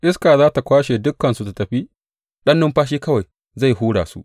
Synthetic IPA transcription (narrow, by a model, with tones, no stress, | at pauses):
ʔɪ˦skaː˨zaː˦ta˨kʷaː˦ʃeː˨dʊ˦kːɐ˨nsu˦ta˨tɐ˨ɸi˦ | ɗɐ˦nːʊ˦mɸaː˦ʃ̬iː˦kɐ˦wa˨j | za˦˨jhuː˦ɽaː˨su˦ʔ